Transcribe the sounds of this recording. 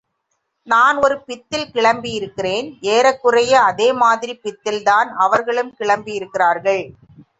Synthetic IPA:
naːnɔɾɯpɪt̪ːɪlkɪɭɐmbijɪɾɯkːɪreːneːɾɐkːɯrɐjɐɐðeːmaːðɪɾipɪt̪ːɪlt̪aːnɐʋɐɾɣɐɭɯmkɪɭɐmbijɪɾɯkːɪraːɾɣɐɭ

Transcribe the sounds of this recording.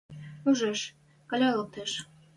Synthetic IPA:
uʒeʃ | kɑ̆lʲɑlˠɤ̆k̚t̪eʃ

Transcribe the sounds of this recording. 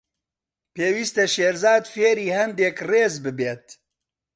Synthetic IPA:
peːwiːst̪ɛʃeːɾzaːd̪feːɾiːhɛnd̪eːkreːzbɨbeːt̪

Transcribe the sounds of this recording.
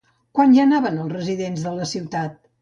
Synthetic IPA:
kwanʒanaβənəlˠsrəziðenzðələsiwt̪at̪̚

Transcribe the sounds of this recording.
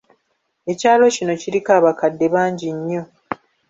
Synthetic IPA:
e̞caːlo̞cino̞ciɾikaːβakadːe̞βaːɲɟiɲːo̞

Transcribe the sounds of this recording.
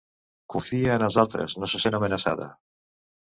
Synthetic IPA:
kuɱfiaenazalˠt̪ɾḛznosesenamenasa̰ða̰

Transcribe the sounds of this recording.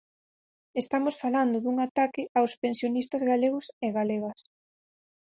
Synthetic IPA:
est̪amosfaland̪ʊðuŋat̪akɪawspensjonist̪ɐzɣaleɣʊseɣaleɣɐs

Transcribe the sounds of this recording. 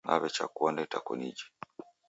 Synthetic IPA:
na̰βɛt͡ʃakuɔndɛtakɔnid͡ʒi̥

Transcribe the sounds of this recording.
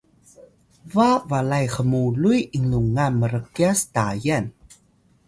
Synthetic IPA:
vavalajxəmulujʔiŋluŋaməɾəkiastajan

